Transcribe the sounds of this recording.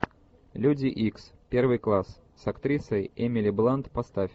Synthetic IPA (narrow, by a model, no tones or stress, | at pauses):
lʲudʲɪʔikspʲervɨjklˠas | sɐkt̪ɾʲisəjɛmʲɪlʲɪblˠant̪pɐst̪afʲ